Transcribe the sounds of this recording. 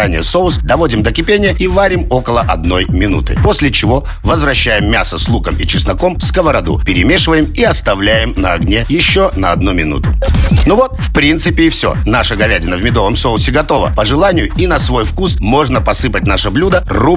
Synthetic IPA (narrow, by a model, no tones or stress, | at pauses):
anʲɪ̰jəsoʊsd̪ɐvodʲɪmd̪əkʲɪpʲenʲɪjəivaɾʲɪmo̞kəlˠəʔɐd̪no̞jmʲɪnṵt̪ɨ̰po̞sʲlʲɪt͡ɕɪvo̞ | vəzvɾɐɕːæjɪmːʲasəslˠukəmit͡ɕɪsnɐkomskəvəɾɐd̪ṵpʲɪɾʲɪmʲe̞ʂɨvəjɪmiɐst̪ɐvlʲæjɪmnəɐɡnʲejɪɕːonəɐd̪numʲɪnṵt̪ʊnuvo̞t̪fpɾʲint̪sɨpʲɪːfsʲo̰naʂəɡɐvʲædʲɪnəvmʲɪd̪o̞vəmsoʊsʲɪɡɐt̪o̞və̰pəʐɨlˠanʲɪjʊinɐsvo̞jfkusmo̞ʐnəpɐsɨpət̚ʲnaʂəblʲud̪əru